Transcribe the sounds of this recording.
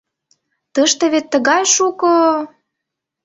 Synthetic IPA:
t̪ɤʃt̪ĕβet̪ːə̆ɣɑjʃuko

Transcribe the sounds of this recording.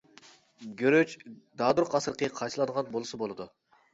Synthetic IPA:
ɡʲøɾøt͡ʃd̪ɑːd̪uɾqɑsɨɾqʰəqʰɑjt̪ɨlˠɑnʁɑnbolˠɨsɨbolˠɨd̪u

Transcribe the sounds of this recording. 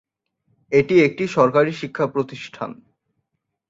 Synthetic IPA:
eʈiek̚ʈiʃɔɾkaɾiʃikʰːapɾot̪iʃʈʰa̰n

